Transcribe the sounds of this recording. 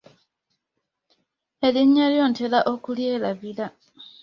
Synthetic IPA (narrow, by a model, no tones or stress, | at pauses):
e̞liɲːaljo̞ːntelaʔo̞kuljeːlaβila